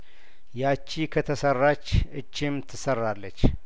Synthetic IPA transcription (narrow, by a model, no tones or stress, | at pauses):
jat͡ʃːikʰət̪ʰəsərːat͡ʃːɨt͡ʃːɪmt̪ʰɨsərːalːət͡ʃː